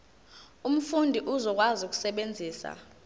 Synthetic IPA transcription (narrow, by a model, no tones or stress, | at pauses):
um̩fundʱiʔuzɔk̬ʼwazuk̬ʼu̥sɛɓend͡zʱiːsa̰